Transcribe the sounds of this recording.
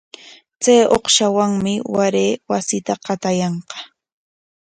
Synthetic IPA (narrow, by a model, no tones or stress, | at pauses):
t͡sajo̰χʃawaŋmɪwaɾeːwasɪt̪aqɑt̪ajɑɴqɑ̥